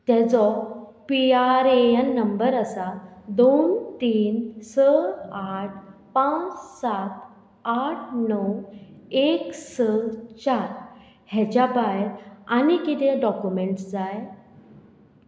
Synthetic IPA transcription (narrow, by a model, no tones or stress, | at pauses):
t̪ɛ̃t͡sɔpiaɾeənːəmbəɾəsad̪ont̪iːnsəaʈʰpãt͡ssat̪̚ | aʈ̚ʰnəweksət͡ɕaɾ | hɛt͡ɕabajɾanikit̪eɖɔkjumeɳʈsd͡zaj